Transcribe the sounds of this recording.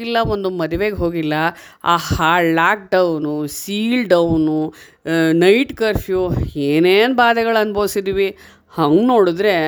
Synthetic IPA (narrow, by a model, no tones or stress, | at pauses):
ilːɐo̞nd̪umɐd̪ʱuʋeːɡeɦo̞ːɡilːɐ | aːhaːɖlaːk̚ɖɐwnusiːlɖɐwnu | nɐjʈkɐɾpʰjueːneːnbaːd̪ɐɡɐɭɐnbʱɐʋsid̪iʋi | hɐŋɡno̞ːɽud̪ɾe̞